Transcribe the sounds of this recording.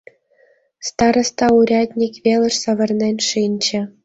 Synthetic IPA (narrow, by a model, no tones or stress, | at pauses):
st̪ɑɾɤ̆st̪ɑuɾʲɑd̪ʲnʲikʲʋʲelʲˠɘ̆ʂsɑʋɤ̆rnʲenʲʂinʲt͡ɕɘ̆